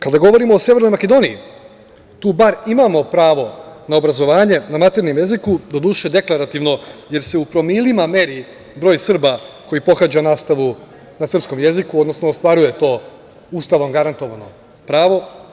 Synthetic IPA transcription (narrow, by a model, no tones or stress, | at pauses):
kad̪aɡo̞ʋo̞ɾimo̞ːsjeʋeɾno̞jmake̞d̪o̞niː | t̪uːbaɾimaːmo̞pɾaːʋo̞naobɾazo̞ʋaːɲe̞namat̪eɾnomje̞zikud̪od̪uːʃed̪e̞klˠaɾat̪iʋno̞je̞ɾse̞upɾo̞milimame̞ɾi | bɾo̞ːjsr̩bako̞jipo̞xad͡ʑanaːst̪aʋu | nasr̩psko̞mje̞zikuod̪no̞snoːst̪ʋaɾuje̞t̪o̞ː | ust̪aʋomɡaɾant̪o̞ʋano̞ | pɾaːʋo̞